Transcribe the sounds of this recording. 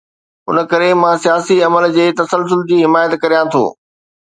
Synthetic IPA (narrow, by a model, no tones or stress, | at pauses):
ʊ̰n̆kɐɾemãːsijaːsiɐməld͡ʑeːt̪ɐsəls̬ʊld͡ʑiːɦɪmaːjət̪kɐɾijãt̪ʰo̰ː